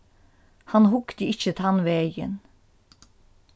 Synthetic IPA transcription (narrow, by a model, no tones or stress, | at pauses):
hɑnhʊkt̪əɪçət̪ʰɑnʋeːjə̰n